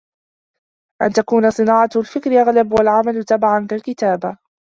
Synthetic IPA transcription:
ʔa̰nt̪akuːnasˤɨnɑːʕɑlfɪkɾɪʔaɣlabwalʕamalt̪abaʕankalkɪt̪aːba

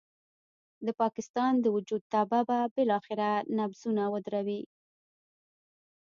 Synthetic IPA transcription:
d̪əpɑkɪst̪ɑnd̪əwʊd͡ʒud̪̚t̪ɑbababɪlɑxɪɾanabzunawəd̪ɾawi

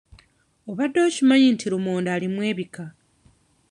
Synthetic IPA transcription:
o̞βadːo̞ːcimaɲintʰiɾumoːndaːlimwe̞ːβika

